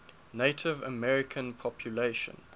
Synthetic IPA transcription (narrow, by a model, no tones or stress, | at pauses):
neɪtʰɪvə̰mɛɹɪkʰə̃npʰɔpʰjuleɪʃə̰̃n